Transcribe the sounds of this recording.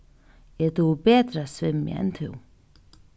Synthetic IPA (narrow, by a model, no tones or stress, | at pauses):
ɛt̪uːpɛːt̪ɾasvɪm̰ːɛ̰nt̪ʰʏ̰w